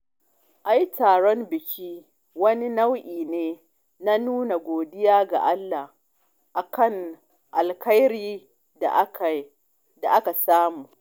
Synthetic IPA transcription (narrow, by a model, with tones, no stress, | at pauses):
ʔa˦jtʰaː˨ɽɔ˦mbɪ˨kʲʰiː˦ | wɐ˦ni˦na˦wʔiː˨neː˦ | na˦nuː˦na˨ɡʷoː˨dɪ˦jaː˦ɡa̰˨ʔa˦lːa˨h | ʔa˨kɐ˦˨ŋ | ʔa˨lkɐ˦jɽiː˦˨˦ | k | da˨ʔa˦ka˨saː˦muː˨